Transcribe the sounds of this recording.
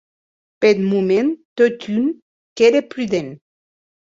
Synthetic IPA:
pet̪mument̪ot̪yn | keɾepɾyðen

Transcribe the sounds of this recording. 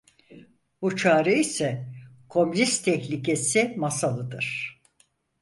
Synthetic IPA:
but͡ʃʰaːɾɛisɛ | kʰo̞mlʲist̪ʰɛçlʲice̞simasalˠɯd̪ɯɾ̥

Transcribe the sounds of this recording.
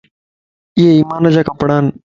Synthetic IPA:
ɪɦeiːmaːnəd͡ʒaːkəpɽaːn

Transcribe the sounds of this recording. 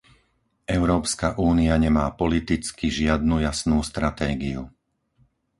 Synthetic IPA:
ʔɛʊɾɔːpskaʔuːniaɲɛmaːpɔlit̪it͡skiʒɪad̪nujasnuːst̪ɾat̪ɛːɡiu

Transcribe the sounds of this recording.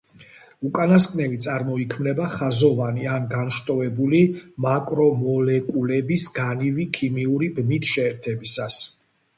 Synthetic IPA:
ukʼanaskʼnɛvit̪sʼaɾmɔikʰmnɛbaχazɔvanianɡanʃt̪ʼɔvɛbulimakʼɾɔmɔlɛkʼulɛbisɡanivikʰimiuɾibnit̪ʰʃɛːɾt̪ʰɛbisas

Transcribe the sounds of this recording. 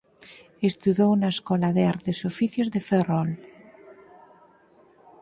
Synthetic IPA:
est̪uðownaeskɔlaðeaɾt̪esofiθjozðeferɔl

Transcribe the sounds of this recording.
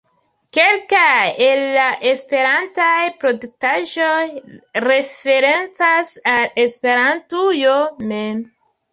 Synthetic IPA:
ke̞lkaje̞lːaʔe̞spe̞ɾantajpɾo̞duk̚taʒo̞jɾe̞fe̞ɾe̞nt͡sasale̞spe̞ɾantujomem

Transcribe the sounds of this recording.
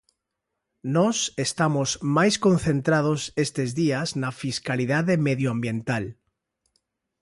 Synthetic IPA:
nosest̪amozmajskõn̟θẽnt̪ɾað̞osest̪ezðiaznafiskaliðaðemeðjoambjẽ̞nt̪al

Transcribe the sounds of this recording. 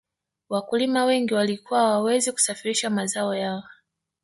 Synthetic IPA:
wakulimawɛŋɡiwalikuwawawɛziku̥safiɾiʃamazaɔjaɔ

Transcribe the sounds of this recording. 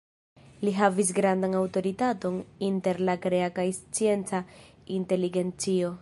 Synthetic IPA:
liɦavis̬ɡɾandanawto̞ɾitato̞ninte̞ɾlakɾe̞akajst͡sie̞nt͡sa | inte̞liɡe̞nt͡sio̞

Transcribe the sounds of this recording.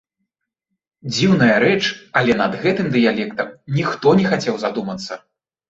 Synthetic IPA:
d͡zʲiwn̪ɐjɐɾɛt͡ʂɐlʲɛnɐd̪ɣɛt̪ɨmd̪ɨjalʲɛkt̪ɐmnʲixt̪ɔnʲɛxat͡sʲɛwzad̪umɐt̪sːɐ

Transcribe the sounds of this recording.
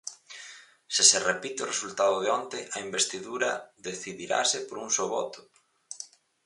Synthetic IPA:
sɪserepit̪eoresult̪aðʊðeɔnt̪ɪʔɐimbest̪iðuɾɐðeθiðiɾa̰sɪpoɾuŋsoβɔ̰t̪ʊ̥

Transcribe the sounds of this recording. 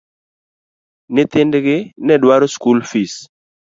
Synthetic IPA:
nɪt̪ɪndɡɪnɛdwaɾoskulfis

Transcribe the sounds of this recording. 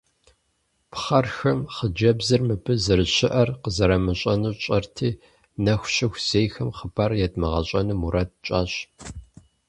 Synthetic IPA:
pχɐrxɐmχəd͡ʒɐbzɨrmɨbɨzɨrɨɕɪʔɐrqəzɐɾɐmɨɕʼɐnuːɕʼɐrtʰiː | nɐxʷɕɪxʷz̥eːjxɐmχəbarjɛdmɐʁɐɕʼɐnɨmuɾɐt̚t͡ʃʼaːɕ

